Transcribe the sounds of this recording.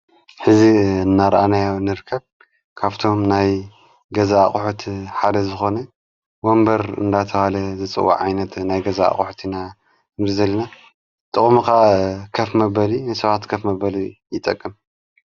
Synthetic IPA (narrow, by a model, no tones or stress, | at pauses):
ħɨziɨnːaɾʔanajawnɨɾɨkʰːɐβ | kʰaβt̪ʰo̞mnaj | ɡɐzaːχʼħut̪ʰħad̪ɐzɨxo̞nɐ | wombɐɾɨ̰nd̪at̪ʰɐhalɐzɨt͡sʼɨ̰wːa̰ʕajnɐt̪najɡɐzaa̰χʼħu̥t̪ʰina | ɨmzizɐlːɐna | t̪ʼɨχʼmukakʰɐfmɐbɐlinajsɐβat̪kʰɐfmɐbɐlijɪt̪ʼːɐkʼːɨm